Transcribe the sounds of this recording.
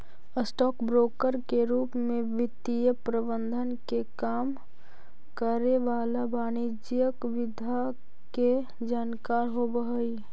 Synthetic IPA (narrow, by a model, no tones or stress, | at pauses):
əsʈɔːkbɾoːkəɾkeɾuːpmẽʋɪt̪ijəpɾəbənd̪ʱənkekaːm | kəɾeʋaːlabaːnid͡ʒijəkʋɪd̪ʱa | ke | d͡ʒaːnkaːɾɦobəɦəi